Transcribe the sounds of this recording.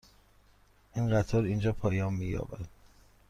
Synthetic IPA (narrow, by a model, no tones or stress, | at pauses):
ʔinɢæt̪ʰɒːɾind͡ʒɒːpʰɒːjɒːmmiːjɒ̰ːvæd̪̥